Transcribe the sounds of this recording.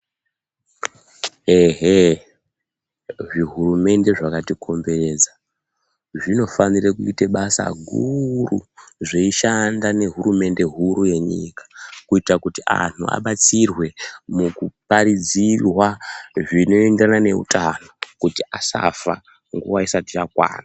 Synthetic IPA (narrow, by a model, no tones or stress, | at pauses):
eɦe | ʐiɦuɾume̞nde̞ʐakatikʰo̞mbe̞re̞d͡za | ʐino̞fanirekuiteɓasa̰ɡʱuruʐeiʃandane̞ɦurume̞nde̞ɦuɾuje̞ɲḭkḁkuitakutia̰n̤ua̰ɓat͡sirwe̞mukupaɾid͡zirwaʐino̞endranane̞ṵtʰano̞kutiasa̰fa̰ | ŋɡṵʋaisatit͡ʃakwa̰ːna